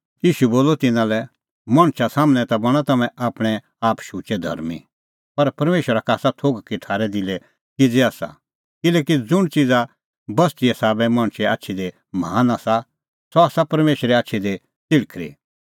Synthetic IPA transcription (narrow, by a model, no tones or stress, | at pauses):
jiːʃuboːlɔt̪ɪnãlɛ | mɐɽ̃ʃasaːmñɛt̪abɐɽ̃ãt̪ɐmɛ̃ʔaːpɽ̃ɛ | aːpʃuːt͡ʃɛd̪ʱɐ̰ɾmḭ | pɐɾpɐɾmeːʃəɾakaːsat̪ʰoːɡkitʰaːɾɛd̪ɪlɛ | kɪd͡zɛaːsa̰ | kɪlɛːkid͡zʊɽ̃t͡sɪd͡za | bɐst̪iɛsaːbɛmãːɽ̃ʃɛa̰ːtːʃʰid̪e | maːnasa | sɔaːsapɐɾmeːʃəɾɛaːtːʃʰid̪e | t͡sɪɽkʰɾḭ